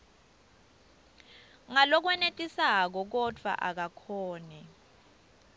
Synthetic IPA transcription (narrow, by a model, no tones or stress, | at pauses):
ŋalɔk̬wɛnetʼisak̬ɔk̬ɔd̥ʱwa̰ʔak̬akʰɔːnɛ